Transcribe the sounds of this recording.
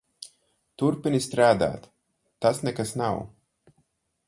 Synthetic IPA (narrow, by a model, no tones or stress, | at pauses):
t̪uɾpinist̪ɾaːd̪a̰ːt̪ː | asnɛkasnaw